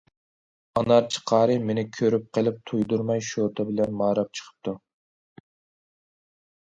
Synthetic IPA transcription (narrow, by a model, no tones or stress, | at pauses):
ɑnɑɾt͡ʃʰə̥qʰɑːɾɨmenɪkʲʰøɾyp̚qʰəlˠɪp̚t̪ʰujd̪uɾmɑjʃoɾd̪ɑbɪlɛnmɑːɾɑp̚t͡ʃʰə̥qʰə̥p̚t̪ʰu